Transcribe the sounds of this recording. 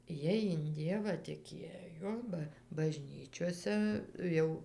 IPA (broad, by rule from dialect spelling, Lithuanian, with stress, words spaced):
ˈjiɛj ɪn ˈdʲiɛʋɑː tʲɪˈkʲeːjoː bɐ bɐˈʒʲnʲiːt͡ʃʲoːsʲɛ ˈjɛʊ